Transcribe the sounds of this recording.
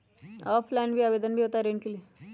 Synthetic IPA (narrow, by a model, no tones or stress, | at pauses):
ɔːpʰlajinbʱiabeːd̪ənbʱiɦoːt̪aɾeːɳkili